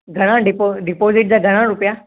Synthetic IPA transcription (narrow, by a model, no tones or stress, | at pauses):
ɡʱɐɽ̃ãɖɪpoɖɪpoːzɪʈ̚d͡ʑaːɡʱəɽ̃ãɾʊpja